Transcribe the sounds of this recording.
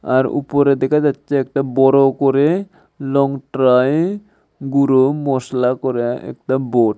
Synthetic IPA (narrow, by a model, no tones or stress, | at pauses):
a̰ɾṵpoɾed̪ɛkʰad͡ʑatːʃeɛk̚ʈabɔɾokoɾe | lɔŋʈɾaj | ɡuɾomɔslakɔɾeɛ̰k̚ʈaboʈ